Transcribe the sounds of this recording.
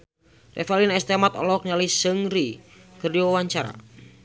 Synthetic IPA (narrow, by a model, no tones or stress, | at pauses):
rʔɛfɛlinɛst̪emat̪ɔ̰lɔk̚nialisəŋɾikərdowawaɲt͡ʃaɾa̰